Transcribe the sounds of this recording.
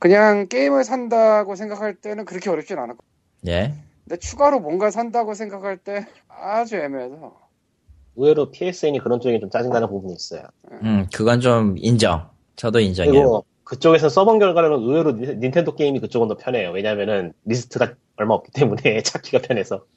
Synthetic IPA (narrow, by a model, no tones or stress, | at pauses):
kɯɲaŋk͈e̞imɯɭsʰandaɡosʰe̞ŋɡakʰaɭt͈e̞nɯnkɯɾʌkʰe̞ʌɾjʌp̚t͡ɕ͈inɯnanɯkʰo | ne | ne̞t͡ɕʰuɡaɾomwʌnɡasʰandaɡosʰe̞ŋɡakʰaɭt͈e̞ | ad͡ʑue̞meesʰʌ | ɯwe̞ɾopʰies͈ɯiɲikɯɾʌnt͡ɕ͈oeɡet͡ɕomt͡ɕ͈ad͡ʑiŋdanɯnpobuɲiːs͈ʌ̰jo̰ | ekɯɡʌnt͡ɕomind͡ʑʌ̰ŋ | t͡ɕʰʌdoind͡ʑʌɯɾiɡo | kɯt͡ɕ͈oɡe̞sʰʌs͈ʌbʌŋɡjʌɭɡaɾʌmʌnɯwe̞ɾoinːintʰendok͈eimikɯt͡ɕ͈oɡɯndʌpʰjʌnɦe̞jowe̞ɲaːmjʌnɯnɾis̬ʰɯ̥tʰɯɡa | ʌɭmaʌp̚k͈i̥t͈e̞mune̞t͡ɕʰakʰiɡapʰjʌne̞sʰʌ